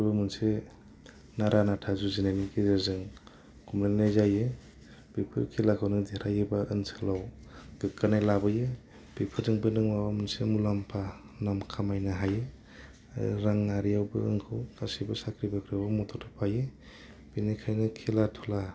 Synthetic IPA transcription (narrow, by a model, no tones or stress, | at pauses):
bɯmɯnse | naɾʔanatʰazuzinajnikʰezazɯŋ | kʰumlelnajzajɯ | b̥ipʰɯ̰ɾkʰilakʰawnɯdeɾajɯbaʔɯnsʰɯlawɡ̥ɯkːanajlabɯjɯ | b̥ipʰɯdɯŋbɯnɯŋmawamunsemulampʰa | namkʰamajnɯɦajɯ̰ | ɾaŋnaɾijawbɯ̰ɯŋkʰɯwkasibɯsakʰɾibɯkʰɾɯbɯmɔtʰɔtʰɯpʰaje | b̥inikʰajnɯkʰelatʰɔla